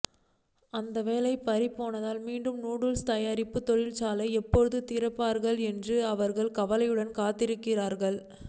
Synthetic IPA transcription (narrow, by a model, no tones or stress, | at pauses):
ɐnd̪ɐʋeːlɐɪpːɐɾɪpːoːnɐðaːlmiːɳɖɯmnuːɽɯlst̪ɐjaːɾɪpːɯt̪ɔɻɪlt͡ʃaːlɐɪɛpːɔɻɯðɯt̪ɪɾɐpːaːɾɣɐɭɛndrɯɐʋɐɾɣɐɭkɐʋɐlɐjɯɽɐnkaːt̪ːɪɾɯkːɪraːɾɣɐɭ